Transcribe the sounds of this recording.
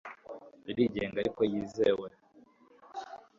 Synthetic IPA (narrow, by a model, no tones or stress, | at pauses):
iɾiɟeːŋɡaɾikojizewe